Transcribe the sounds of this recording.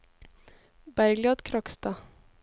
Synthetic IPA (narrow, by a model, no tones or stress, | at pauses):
bæɾɡlɑːd̪kʰɾɔkst̪ɑ